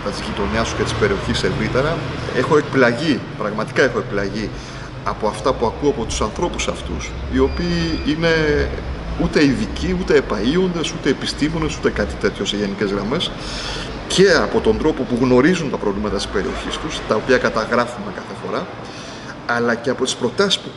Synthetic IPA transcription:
t̪ɐt̪izʝit̪o̞nɐst̪u̥cet̪i̥spe̞ɾio̞çise̞vɾit̪e̞ɾɐexo̞ekplɐʝipɾɐɣmɐt̪i̥kɐe̞xo̞e̞k̚plɐʝi | ɐpo̞ɐft̪ɐpuɐkuɐpo̞t̪u̥sɐnθɾo̞pu̥sɐft̪ṵsio̞piːine̞ | ut̪e̞iðiciut̪e̞ːpɐio̞nd̪e̞sut̪e̞ːpist̪imo̞ne̞sut̪e̞kɐt̪i̥t̪e̞t̪ço̞se̞ʝe̞nice̞zɣɾɐme̞s | ce̞ɐpo̞t̪o̞nd̪ɾo̞po̞puɣno̞ɾizunt̪ɐpɾo̞vlimɐt̪ɐt̪i̥spe̞ɾioçist̪ust̪ɐo̞piɐkɐt̪ɐɣɾɐfume̞kɐθe̞fo̞ɾɐ | ɐlɐce̞ɐpo̞t̪i̥spɾo̞t̪ɐsi̥spu

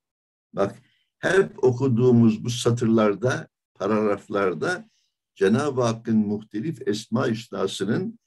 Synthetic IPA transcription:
bak | hæɾpo̞kʰud̪uːmuzbusat̪ʰɯɾlˠaɾd̪a | pʰaɾaɾaflˠaɾd̪a | d͡ʒenaːbakɯnmuxt̪ʰelʲifɛsmaːiʃnaːsɯnɯn

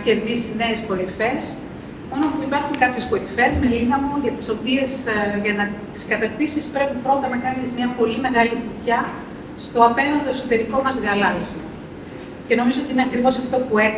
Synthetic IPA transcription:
ce̞nðisine̞ːspo̞ɾife̞s | omɐnpuipɐɾxuŋkɐpçe̞spo̞ɾife̞zme̞liɣɐmuʝɐt̪i̥so̞pie̞sʝɐnɐt̪i̥skɐt̪ɐɾt̪isispɾe̞pipɾo̞t̪ɐnɐkɐnizmɲɐpo̞lime̞ɣɐlipit̪çɐ | st̪o̞ɐpe̞nɐnd̪o̞eksot̪e̞ɾiko̞mɐzɣɐlɐzu | ce̞no̞mizo̞o̞t̪iineɐkɾivo̞sɐft̪o̞pue

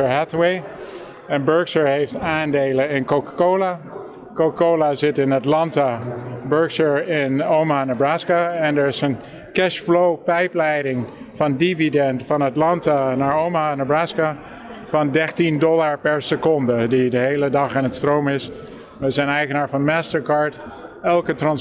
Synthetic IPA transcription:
əɹɦɛθwej | ɛnbɜɹksəɹhejftaːndeːləɪnkokḁkoːla | kokakoːlazɪtɪnatlɑntabøɹksəɹɪnoːmanabraːskaɛndəɹɪsən | kɛʃflowpɛjplɛjdɪŋ | fɑndividɛntfɑnatlɑntanaɹowmanabraska | fɑndɛχtindɔlaɹpɛɹsəkɔndədidəɦejlədɑχanətstrowmɪs | ʋəzɛjnɛjχənaːɹvɑnmaːstəɹkaɹtɛlˠkətrɑns

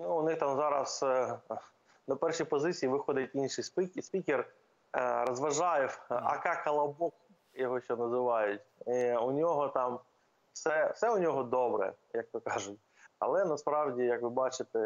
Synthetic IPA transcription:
nuʊnɪxt̪ɑmzɑɾɐs | nɐpɛrʃipɔzɪt͡sʲijiʋɪxɔd̪ɪtʲinʃɪjspɪkʲsʲpʲikʲɪr | rɔzʋɐʒɑjɛwɐ̰kɑkɐlˠɐbɔk | jɔɦɔʃt͡ʃɔnɐzɪʋɑjʊtʲiʊnʲɔɦɔt̪ɑm | sɛfsɛʊnʲɔɦɔd̪ɔbɾɛ̰ | jɐk̚t̪ɔkɑʒʊtʲ | ɐ̰lˠɛnɐspɾɑwdʲijɐkʋɪbɑt͡ʃɪt̪ɛ

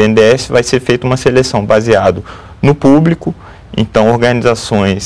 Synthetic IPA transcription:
eẽnd̪eɛsɪvajseɾfejt̪ɐũmɐselesɐ̃w̃baziad̪ɐ | nʊpublikʊ | ḛ̃t̪ɐ̃w̃oɾɡɐnizasõj̃s

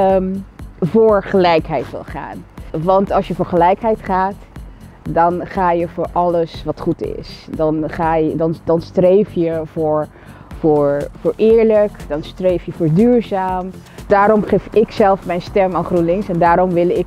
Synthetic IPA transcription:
mvʊːɹχəlɛjkɦɛjtʋɪ̰lˠχa̰ːnʋɑntɑlˠsjəvʊːɹχəlɛjkɦɛjtχaːt | dɑnχaːjəvʊːɹʔɑləsʋɑtχutɪ̰sdɑnχaːjdɑndɑnstrejfjəvʊːɹ | vʊːɹvʊːɹʔɪːɹləkd̥ɑnstrejfjəvʊːɹdyːɹzaːmd̥aːɾɔmχefɪksɛlˠfmɛjnstɛmaːnχrunlɪŋsɛndaːɾɔmʋɪlˠɪk

